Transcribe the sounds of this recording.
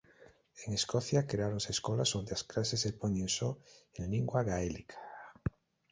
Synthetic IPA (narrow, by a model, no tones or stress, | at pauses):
eŋeskoθjakɾeaɾonseskolasond̪easklasesepoɲensoẽnliŋɡwaɣaelikʰḁ